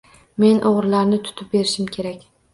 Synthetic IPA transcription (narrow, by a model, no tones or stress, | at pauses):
me̞nʔoʁɾlaɾnɪt̪ʰʊ̥t̪ʰɪp̚be̞ɾɪʃɪmkʲʰe̞ɾakʲ